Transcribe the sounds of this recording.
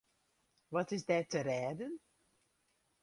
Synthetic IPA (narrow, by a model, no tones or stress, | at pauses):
ʋɑtɪzdɛːtərɛːdən